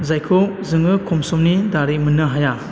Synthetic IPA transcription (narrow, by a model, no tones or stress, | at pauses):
zajkʰɔwzɯŋɯkʰɔmsɔmnidaɾimɯnɯɦaja